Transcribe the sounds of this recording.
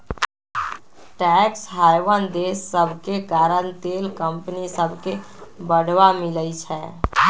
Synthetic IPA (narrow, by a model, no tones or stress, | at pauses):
ʈɛksɦajʋənd̪esːəbʱkekaɾənt̪elkəmpnisəbʱke | bəɽ̤ʱʋamiləjt͡ʃʰɛ